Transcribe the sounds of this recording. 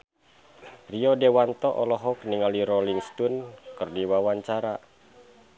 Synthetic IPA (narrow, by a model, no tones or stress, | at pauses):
riɔdewant̪ɔʔɔlɔɦɔk̚niŋaliɾɔliŋst̪unkɨrdiwawaɲt͡ʃaɾa